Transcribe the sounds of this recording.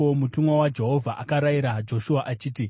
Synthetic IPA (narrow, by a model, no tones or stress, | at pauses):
omutumwawad͡ʒe̞ɦo̞vʱaʔakaɾaiɾad͡ʒo̞ʃuaʔat͡ʃiːti